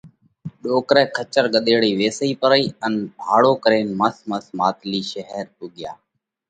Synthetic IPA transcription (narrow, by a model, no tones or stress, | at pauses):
ɗoːkɾɛːkʰət͡ʃəɾɠəɗ̪eːɽiːʋeːsiːpəɾəiːənbʱaːɽoːkəɾeːnməsməsmaːt̪liːʃəɦəɾpʊɠja̰ː